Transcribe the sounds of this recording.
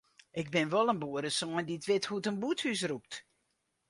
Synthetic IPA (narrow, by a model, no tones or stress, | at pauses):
ʔɪk̚bɪnʋɔlˠənbuədəsoəndiətʋɪthuətənbuthys̬rup̚t